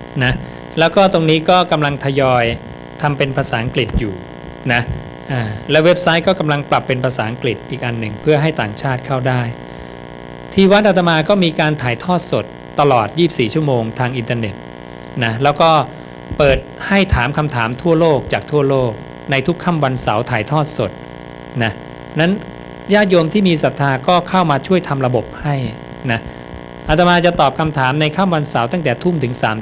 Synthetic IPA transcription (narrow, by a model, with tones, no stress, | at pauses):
na˦˥ | lɛː˦˥wkɔː˥˩t̪o˧ŋniː˦˥kɔː˥˩ka˧mla˧ŋt̪ʰa˧jɔː˧j | t̪ʰa˧mpe˧npʰaː˧saː˩˦ʔa˧ŋkli˨˩t̪̚juː˨˩ | na˦˥ | ʔaː˨˩lɛː˦˥we˦˥p̚sa˦˥jkɔː˥˩ka˧mla˧ŋpla˨˩pːe˧npʰaː˧saː˩˦ʔa˧ŋkli˨˩t̪̚ʔiː˨˩k̚ʔa˧nːɯ˨˩ŋpʰɯ˥˩ɐɦa˥˩jt̪aː˨˩ŋt͡ɕʰaː˥˩t̪̚kʰa˥˩wdaː˥˩j | t̪ʰiː˧wa˦˥t̪̚ʔa˧t̪̬a˧maː˧kɔː˥˩miː˧kaː˧nt̪ʰaː˨˩˦jt̪ʰɔː˥˩t̪̚so˨˩t̪ːa˧lɔː˨˩t̪̚jiː˥˩p̚siː˨˩t͡ɕʰu˥˩˨moː˧ŋt̪ʰaː˧ŋʔi˧nt̪aː˧ne˨˩t̪̚ | na˦˥lɛː˦˥wkɔː˥˩ | pɤː˨˩t̪̚ha˥˩jt̪ʰaː˩˦mkʰa˧mt̪ʰaː˩˦mt̪ʰu˥˩ɐloː˥˩k̚t͡ɕaː˨˩k̚t̪ʰu˥˩əloː˥˩k̚ | na˧jt̪ʰu˦˥kʰːa˥˩mwa˧nsa˩˦wt̪ʰaː˨˩jt̪ʰɔː˥˩t̪̚so˨˩t̪̚ | na˦˥ | na˦˥n | jaː˥˩t̪̚jo˧mt̪ʰiː˥˩miː˧sa˨˩t̪ʰːaː˧kɔː˥˩kʰa˥˩wmaː˧t͡ɕʰu˥˩əjt̪ʰa˧mɾa˧bo˨˩p̚ha˥˩j | na˦˥ | ʔa˧˩t̪a˧maː˧t͡ɕa˨˩t̪ɔː˨˩p̚kʰa˧mt̪ʰaː˩˦mna˧jkʰa˥˩mwa˧nsa˩˦wt̪a˥˩ŋt̪ɛː˨˩t̪ʰu˥˩mt̪ʰɯ˩˦ŋsaː˩˦m